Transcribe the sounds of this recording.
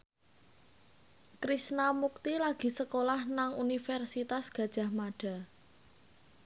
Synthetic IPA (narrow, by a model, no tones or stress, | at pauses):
kɾisnamuk̚t̪ilaɡ̥i̤səkolahnaŋunifɛrsit̪asɡ̥ä̤d̥ʒ̥ä̤hmaɖ̥a̤